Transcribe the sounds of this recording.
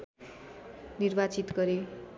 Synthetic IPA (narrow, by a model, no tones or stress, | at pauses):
nirbat͡sit̪ɡʌɾe